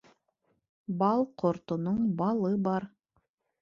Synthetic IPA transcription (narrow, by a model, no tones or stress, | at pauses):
bɑlˠqʰoɾt̪onoɴbɑlˠɤbɑɾ